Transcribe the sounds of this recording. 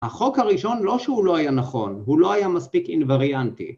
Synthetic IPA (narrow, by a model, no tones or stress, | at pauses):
haχo̞khaʁiʃo̞nlo̞ʃeulo̞ajanaχo̞nhulo̞ajamaspikinvaʁiant̪ḭ